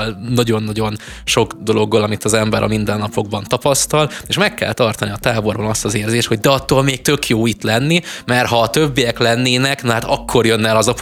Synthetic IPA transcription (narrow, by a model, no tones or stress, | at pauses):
lnɒɟo̞nːɒɟo̞n | ʃo̞ɡd̪o̞lo̞ɡːɒlɒmit̪ɒzɛmbɛɾʔɒ̰mind̪ɛnːɒpʰo̞ɡ̚bɒnt̪ɒpɒst̪ɒleːʃmɛkːɛ̰lt̪ɒrt̪ɒniɒt̪aːbo̞rbɒnɒst̪ɒzeːrzeːʃt̪ho̞ɟ̚d̪ɛɒt̪ːoːlmeːk̚t̪ø̞kjoːit̪lɛnːimɛrɦɒːt̪ø̞bːijɛklɛnːeːnɛknɒɦat̪ɒkːo̞rjø̞nːɛlɒzɒp